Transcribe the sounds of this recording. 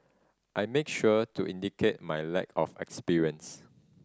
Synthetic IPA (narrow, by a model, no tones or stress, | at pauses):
ʔajmekʃuətuʔĩndikʰet̚majlɛ̰kʰɔfɛ̰kspiɹiə̃ns